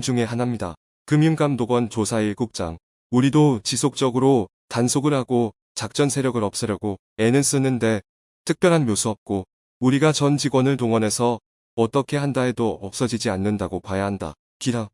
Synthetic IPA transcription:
d͡ʑuŋe̞ɦanɦamɲida̰ | kɯmjuŋɡ͈amdoɡwʌnt͡ɕosʰaiɭɡuk̚t͡ɕ͈a̰ŋ | uɾidot͡ɕisʰok̚t͡ɕ͈ʌɡɯɾo | tansʰoɡɯɭɦaɡo | t͡ɕak̚t͡ɕ͈ʌnsʰe̞ɾjʌɡɯɾʌp̚s͈ʌɾjʌɡo | e̞nɯɭs͈ɯnɯnde̞ | tʰɯk̚p͈jʌɾɦanmjosʰuʌp̚k͈o | uɾiɡat͡ɕʌnd͡ʑiɡwʌnɯɭtoŋʌne̞sʰʌː | t͈ʌkʰe̞ɦandaedoʌp̚s͈ʌd͡ʑid͡ʑianːɯndaɡokajaɦanda̰ | kiɾa

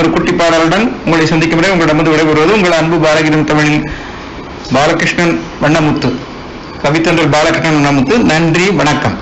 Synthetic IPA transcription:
ɾɯkʊʈːipːaːɽaːlɯɽɐnʊŋɡɐɭɐɪsɐnd̪ɪkːɯmʋɐɾɐʊŋɡɐɭɪɽɐmbɐðɯʋɪɽɐɪʋɯɾɯʋɐðɯʊŋɡɐɭɐnbɯbaːlɐɣɪɾɐmt̪ɐmɐɭɪn | baːlɐkɪʂɳɐn | ʋɐɳːɐmʊt̪ːɯ | kɐʋɪt̪ːɐnrɐlbaːlɐkːɪʂɳɐɳʋɐɳːɐmʊt̪ːɯnɐɳdriʋɐɳɐkːɐm

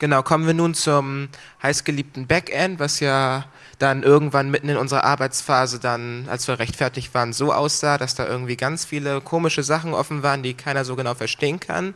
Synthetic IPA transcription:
ɡ̥ənaʊkʰɔmənviːɐnuːnt͡sʊm | haɪsɡ̥əliːp̚tn̩bɛkʔɛntv̥asjaː | d̥anʔɪɐɡŋ̩tv̥anmɪtn̩ɪnʔʊnzəʁɐ̰ʔa̰ɐbaɪt͡sfaːzədanʔa̰lsv̥iːɐʁɛçtfɛɐtɪçtv̥aːʁənzoːʔa̰ʊsz̥aːdasd̥aːʔɪɐɡŋ̩tv̥iːɡant͡sfiːləkʰoːmɪʃəzaχn̩ʔɔ̰fn̩vaːʁəndiːkʰaɪnɐzoːɡənaʊfɛɐʃteːənkʰa̰n

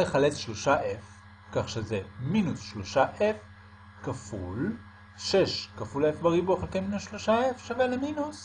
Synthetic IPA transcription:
eχalet͡sʃloʃaʔef | kaχʃezeminusʃlo̞ʃaʔef | kafṵl | ʃeʃkafulefbeʁibuχelkejminusʃloʃaefʃaveleminus

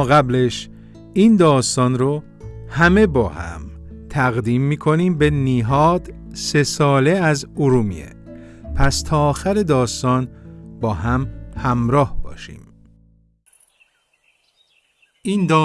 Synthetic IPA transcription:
ɣæbleʃ | iːnd̪ɒːst̪ɒːnɾo | hæme̞bɒːhæ̰m | t̪ʰæɣd̪iːmːiːkʰo̞niːmbe̞niɦɒːd̪̥se̞sɒːle̞æzoɾuːmḭḛ | pʰæst̪ʰɒːxæɾe̞d̪ɒːst̪ɒːnbɒːɦæmhæmɾɒːhb̥ɒ̰ːʃḭːm | ind̪ː

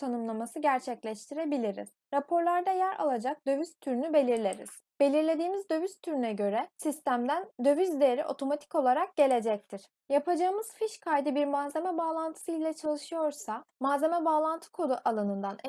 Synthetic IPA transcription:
t̪ʰanɯmlˠamasɯɟæɾt͡ʃʰɛclʲɛʃt̪ʰiɾe̞bilʲiɾḭz̥ɾapʰo̞ɾlˠaɾd̪ajæɾa̰lˠad͡ʒak̚d̪ø̞vyst̪ʰːyɾynybe̞lʲiɾlʲeɾḭz̥ | be̞lʲiɾlʲe̞d̪iːmizd̪ø̞vyst̪ʰyɾynɛɟø̞ɾɛsist̪æmd̪ænd̪ø̞vyzd̪ejɾḭʔo̞t̪ʰo̞mat̪ʰi̥ko̞lˠaɾak̚ɟ̥e̞lʲe̞d͡ʒɛc̚t̪ʰiɾ̥ | japʰad͡ʒaɯmɯz̥fiʃkʰajd̪ɯbiɾmaze̞mɛbaːlˠant̪ʰɯ̥sɯilʲɛt͡ʃʰalˠɯʃɯjo̞ɾsamaːze̞mɛbaːlˠant̪ʰɯ̥kʰo̞d̪ˠuʔalˠanɯnd̪an

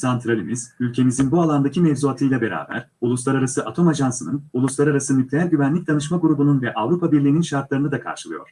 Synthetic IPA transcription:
sant̪ʰɾalʲimiz̥ylʲcʰe̞mizinbualˠand̪acʰimɛvzuat̪ʰɯjlˠabe̞ɾa̰ːbæ̰ɾ̥ulˠuslˠaɾaɾasɯʔat̪ʰo̞maʒansɯnɯnulˠuslˠaɾaɾasɯmyclʲejaɾʲɟyvænlʲic̚d̪anɯʃmaɡuɾubununvɛʔavɾupʰabiɾlʲiːninʃaɾt̪lˠaɾɯnɯd̪akʰa̰ɾʃɯlˠɯjo̞̰ɾ̥

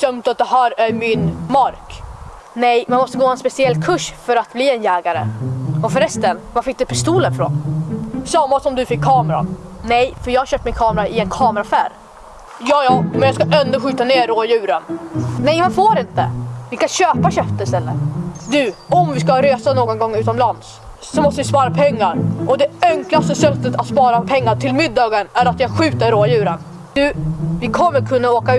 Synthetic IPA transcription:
sœmt̪at̪̚d̪ɛhæːɾæɾmɪnmaɾk | nɛjmanmɔst̪əɡoːhɛnspɛsɪɛlːkʰɵʂfœɾat̪̚bliːɛnjɛːɡaɾə̰ɔfœɾɛst̪ənvafɪk̚ːd̪ɵpʰɪst̪uːlənfɾo̰nsamːasɔmd̪ɵfɪkʰːɑːmɾa̰nɛjfœɾjɑːhaɾɕœpt̪mɪnkʰɑːmɾaʔɪɛnkʰɑːmɾafæɾ | jɑːjɑːmɛnjɑskaʔɛnd̪ʊɧyːt̪aneːɾoːjʉ̟ːɾənnɛjmɛnfoːɾɪnt̪ə̰vɪskaɕøːpaɕœft̪əɾɪst̪ɛlːə̰ɾd̪ʉɔmvɪskaɾøːsanoːɡɔnɡɔŋːʉ̟ːt̪ɔmlans | sɔmɔst̪əvɪspɑːɾapʰɛŋːaɾʔɔd̪ɛœŋklast̪əsɛt̪ːət̪at̪spɑːɾapʰɛŋːaʈʰɪlmɪd̪ːɑːɡənæɾat̪jɑːɡɧʉ̟ːt̪əɾːoːjʉ̟ːɾən | d̪̥ʉvɪkʰɔmːəɾkʰɵnːaoːkaʉ

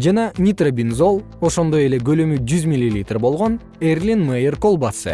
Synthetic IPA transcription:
d͡ʒɑnɑnʲit̪robʲinzo̞lˠ | o̞ʃo̞nd̪o̞je̞le̞ɡø̞lømyd͡ʒyzmʲilʲːilʲit̪rbo̞lˠʁo̞n | erlʲinmejɪrko̞lˠbasɨ̰

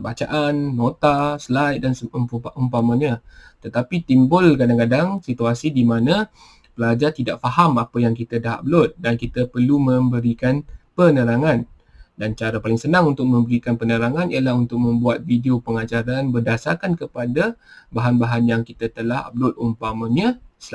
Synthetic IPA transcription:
bat͡ʃaʔanːot̪aslaidansʔumpamaɲat̪ət̪apit̪imbʊlkadaŋkadaŋsit̪uasidimãnã | pəlad͡ʒat̪idaʔ̚faɦamapajaŋkit̪adaɦablʊt̪̚dankit̪əpərlumə̃mbəɾikanpənəɾaŋãn | dant͡ʃaɾapalɪŋsənãŋunt̪ʊk̚mə̃mbəɾikanpənəɾaŋãnialaɦunt̪ʊk̚mə̃mbuat̪̚videopəŋad͡ʒaɾanbərdasakankəpadabaɦanbaɦanjaŋkit̪at̪əlaha̰b̚lʊt̪̚umpaməɲəsla

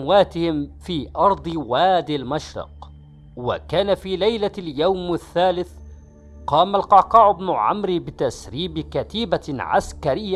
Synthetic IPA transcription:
waːt̪ɪhɪmfiːʔɑɾˤd̪ˤɨwaːd̪ɪlmaʃɾɑ̰q | wa̰kaːnafiːlajlaljawmaθːaːlɪθ | qɑːmalqɑqɑːʕʊbnʊʕa̰mɾibɪt̪asɾiːbɪkat̪iːbaʕa̰skaɾɪjːa

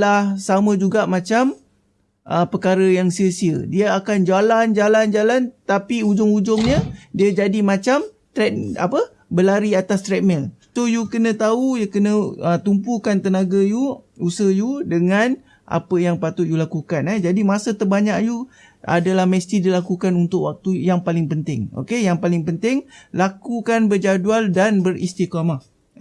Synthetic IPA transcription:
lahsamə̃d͡ʒuɡaʔmãt͡ʃam | ʔəpəkaɾəjaŋsiəsiədiəakand͡ʒaland͡ʒaland͡ʒalant̪apiud͡ʒʊŋud͡ʒʊŋɲədiəd͡ʒadimãt͡ʃam | t̪ɾɛt̪̚a̰pə | bəlaɾiat̪ast̪ɾɛt̪̚mɛl | t̪ʊhjukənə̃t̪aujəkənəət̪umpukant̪ənaɡajuusəhjudəŋãn | ʔa̰pəjaŋpat̪ʊt̪̚julakukanɛd͡ʒadimasət̪ərbaɲak̚ju | ʔa̰dalahməst̪idilakukanunt̪ʊʔwak̚t̪ujaŋpalɪŋpənt̪ɪŋo̰kejaŋpalɪŋpənt̪ɪŋlakukanbərd͡ʒadualdanbərḭst̪ikama

